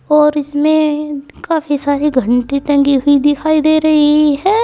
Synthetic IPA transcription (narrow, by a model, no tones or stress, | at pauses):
ɔːɾɪsmẽ | kaːfisaːɾiɡʱə̃ɳʈiʈɐ̃ŋɡiɦʊid̪ɪkʰaːid̪eːɾɐɦiɦɛː